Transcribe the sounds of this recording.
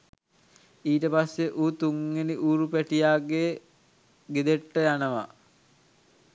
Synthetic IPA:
iːʈəpasːeʔuːt̪uŋːeniʔuːɾupæʈijaːɡe | ɡed̪eʈːəjanəʋa̰

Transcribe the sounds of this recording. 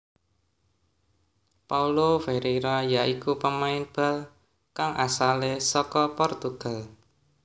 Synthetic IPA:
paulofeɾeɾajaʔikupəmaɪnb̥a̤l | kaŋʔasalesɔkɔpɔrt̪uɡ̥a̤l

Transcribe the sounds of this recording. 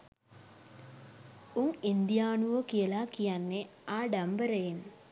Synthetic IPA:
uŋind̪ijaːnuʋəkijəlakijanːe | aːɖambəɾəjen

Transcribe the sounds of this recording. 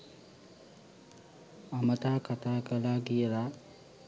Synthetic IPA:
amət̪aːkat̪aːkəlaːɡijəla

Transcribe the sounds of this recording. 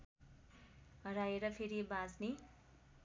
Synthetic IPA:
ɦʌɾajeɾʌpʰeɾibad͡zni

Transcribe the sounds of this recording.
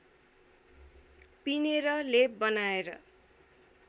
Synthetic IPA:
pineɾʌlebʌnaeɾʌ̰

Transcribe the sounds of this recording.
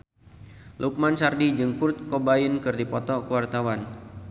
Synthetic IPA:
lʔuk̚mansardid͡ʒəŋkurt̪̚kobainkɨrdipɔt̪ɔkəwart̪awan

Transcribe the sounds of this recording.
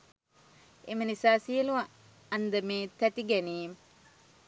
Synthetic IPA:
emənisaːsijəluʋa | ɐnd̪əmeːt̪æt̪iɡɛniːm

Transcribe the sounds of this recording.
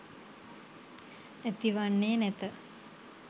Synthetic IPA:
et̪iʋanːeːnɛt̪ə

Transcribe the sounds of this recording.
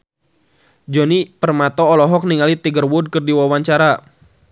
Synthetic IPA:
d͡ʒɔnipərmat̪ɔːlɔɦɔk̚niŋalit̪iɡərwʊd̚kɨrdiwawaɲt͡ʃaɾa

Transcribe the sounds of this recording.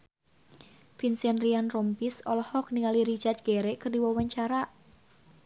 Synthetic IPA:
finsɛnrianrɔmpisɔlɔhɔk̚niŋaliɾit͡ʃart̪̚ɡ̥eɾɛkərdiwɔwaɲt͡ʃaɾaʔ

